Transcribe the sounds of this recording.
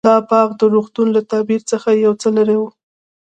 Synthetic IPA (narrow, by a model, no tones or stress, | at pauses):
ɑpɑɣd̪əɾoxt̪unlat̪ɑbiɾt͡səxajawt͡səlaɾewu